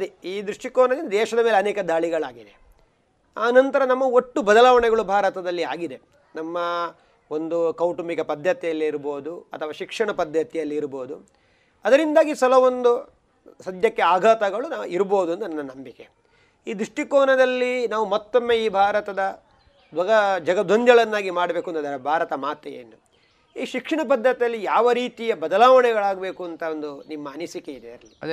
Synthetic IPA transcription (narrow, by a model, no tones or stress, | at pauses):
ɐd̪iiːd̪ɾuʂʈikɔːnɐind̪ɐd̪ɛːʃɐd̪ɐmeːleɐnɛːkɐd̪aːɭiɡɐɭaːɡid̪e | aːnɐnt̪ɐɾɐnɐmːɐoʈːubɐd̪ɐlaːʋɐɳɛɡɐɭubʱaːɾɐt̪ɐd̪ɐlːia̰ːɡid̪e | nɐmːɐ | o̞nd̪ukɐwʈumikɐpɐd̪ʱjɐt̪ɛjɐlːiːɾboːd̪uɐ̰t̪ʰɐʋaːʃikʂɐɳɐpɐd̪ʱjɐt̪ɛjɐlːiːɾbo̞ːd̪u | ɐd̪ɐɾind̪aːɡisɐlɐʋond̪u | sɐd̪jɐkːeaːɡʱaːt̪ɐɡɐɭunaːuiɾboːd̪uɐnd̪unɐnːɐnɐmbike | iːd̪ɾuʂʈikoːnɐd̪ɐlːinaːʋumɔt̪ːomːe̞ːiːbʱaːɾɐt̪ɐd̪ɐ | d̪ʋɐɡɐd͡ʒɐɡɐd̪ʱond̪jɐɭɐnːaːɡimaːɽɐbe̞ːkuɐnt̪ɐd̪ɐɾɐbʱaːɾɐt̪ɐmaːt̪ejḛːnu | iːʃikʂɐɳɐp̬ɐd̪ʱːɐt̪ijɐlːijaːʋɐɾiːt̪ijɐbɐd̪ɐlaːʋɐɳɛɡɐɭaːɡbe̞ːkuɐnt̪ɐond̪unimːɐːnisikeid̪eɐɾɐlːi